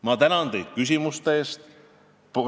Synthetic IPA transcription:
mɑt̪ænɑnt̪e̞jd̪̥̚kys̬ʲimust̪eːst̪ | p

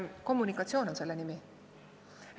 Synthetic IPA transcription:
ko̞mːunikːˑɑt̪sio̞ːno̞nse̞lːenimi

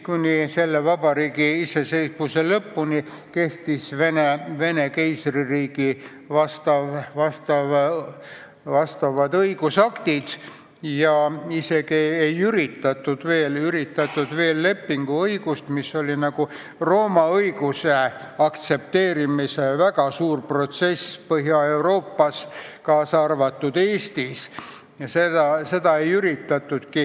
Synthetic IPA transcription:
kunʲise̞lːevɑb̥ɑɾiːɡiise̞se̞jspuse̞lɤpːuni | ke̞ht̪isveneve̞ne̞kejsririːɡ̥i | vɑst̪ɑvvɑst̪ɑv | vɑst̪ɑvɑd̪ɤiɡusɑkt̪id̪̥ | jɑise̞ɡiejyɾit̪ːɑt̪ːˑud̪̥ve̞ːlyɾit̪ːˑɑt̪ːˑud̪̥ve̞ːlːe̞pːiŋɡ̥uɤiɡ̥ust̪misːo̞lʲinɑɡ̥u | ro̞ːmɑɤjɡ̥use̞ | ɑkt̪se̞p̚t̪e̞ːɾimisevæɡɑsuːrpro̞t̪se̞spɤɦjɑe̞uɾo̞ːpːɑskɑːsɑrvɑt̪ːˑud̪̥e̞ːst̪is | sed̪ɑse̞d̪̥ɑejyɾit̪ːˑɑt̪ːˑud̪̥ki

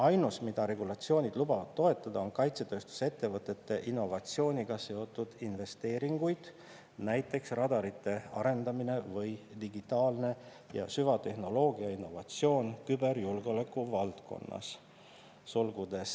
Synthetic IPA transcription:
ɑjnusmid̪̥ɑɾe̞ɡulɑt̪sio̞ːnʲid̪̥lubɑvɑd̪̥t̪ːo̞e̞t̪ːˑɑd̪̥ɑo̞nkɑjt̪se̞t̪ø̞ːst̪u̥se̞t̪ːe̞vɤt̪ˑːe̞t̪ːe̞ʔinːo̞vɑt̪sio̞ːnʲiɡ̥ɑse̞o̞t̪ːˑud̪̥inve̞st̪e̞ːɾiŋɡ̥ujd̪̥ | næjt̪ːˑe̞ksrɑd̪ɑɾit̪ːˑe̞ɑɾe̞nd̪ɑmine̞vɤjd̪̥iɡit̪ːˑɑːlne̞ | jɑ̰syvɑt̪e̞hno̞lo̞ːɡiɑinːo̞vɑt̪sio̞ːnkybe̞ɾjulɡeolekːˑuvɑlt̪ko̞̰nːɑ̰sː | olɡud̪̥e̞s

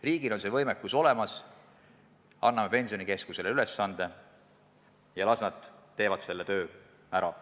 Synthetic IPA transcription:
riːɡ̥ilo̞nse̞vɤjmekːuso̞le̞mɑs | ɑnːɑme̞pe̞nʲsionike̞skuse̞leylesːɑnd̪̥e̞ | jɑlɑsnɑt̪ˑːe̞ːvɑd̪se̞lːet̪ø̞ː | æɾɑ

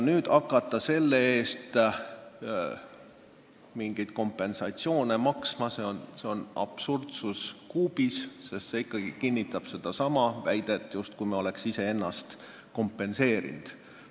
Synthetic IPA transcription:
nyːd̪̥ɑkːˑɑt̪ːˑɑse̞lːe̞e̞ːst̪ | miŋɡ̥ijd̪̥̚ko̞mpːˑe̞nsɑt̪sio̞ːne̞mɑksmɑse̞onse̞o̞nɑ̰b̥surd̪suskuːb̥isse̞st̪se̞ikːˑɑɡ̥ikinʲːit̪ːˑɑb̥se̞d̪̥ɑsɑmɑvæjd̪̥e̞t̪ːˑjust̪kujmeo̞le̞ksise̞e̞nːɑst̪ | ko̞mpːˑe̞nse̞ːɾḭnd̪̥

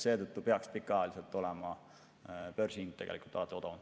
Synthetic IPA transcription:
se̞ːt̪ɤt̪ːupeɑkspikːˑɑjɑliselt̪ːˑo̞lɛmɑ | pørsiŋt̪ːeɡelikˑult̪ːɑːt̪ːˑeo̞d̪o

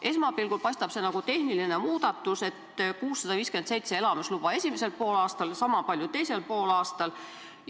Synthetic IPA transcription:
ʔe̞smɑpilɡ̥ulpɑjst̪ɑb̥se̞nɑɡ̥ut̪e̞hnilinemuːd̪̥ɑt̪ːˑuset̪kuːsːɑd̪ɑviːskyent̪sejt̪see̞lɑmeslub̥ɑe̞sʲimese̞lpo̞ːlɑːst̪ɑlsɑmɑpɑljut̪e̞jse̞lpo̞ːlɑːst̪ɑl

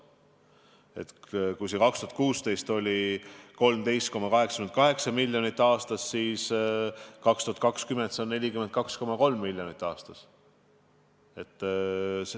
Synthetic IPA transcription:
e̞̰t̪kujsekɑkst̪uhɑt̪kuːst̪e̞jst̪o̞lʲiko̞lmt̪e̞jst̪ko̞mːɑkɑɦe̞ksɑ̥yenkɑɦe̞ksɑmilʲːjo̞nit̪ːˑɑːst̪ɑsːiːs | kɑkst̪uhɑt̪̚kɑkskyme̞nd̪seonːe̞lʲikyment̪̚kɑksko̞mɑko̞lmːilʲjonit̪ːˑɑːst̪ɑs | e̞t̪ːˑs

